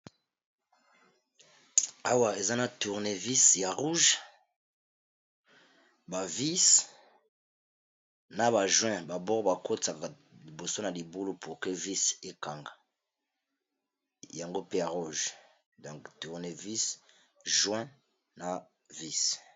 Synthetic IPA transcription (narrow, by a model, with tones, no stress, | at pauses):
a˦wa˦˨e˨za˦na˨tu˨ʁne˦vi˦sja˨ʁu˦ʒ | ba˨vi˦s | na˦βa˨ʒwɛ̃˦ba˨bɔ˦ʁba˨ko˦ta˨ka˨ | li˨bo˨so˦na˨li˨bu˦lo˦pu˨ʁke˦vi˦se˦ka˨ŋɡa˨ | ja˨ŋɡo˦pe˦ja˨ʁu˦ʒ | dɔ̃˨ŋktu˨ʁne˦vi˦s | ʒwɛ̃˦ | na˨ | vi˦s